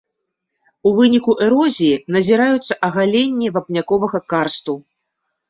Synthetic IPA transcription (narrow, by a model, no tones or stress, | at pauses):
uvɨnʲikuʔɛɾɔzʲijinɐzʲiɾajut̪sːɐʔɐɣalʲenʲːivɐpnʲakɔvɐɣɐkarst̪u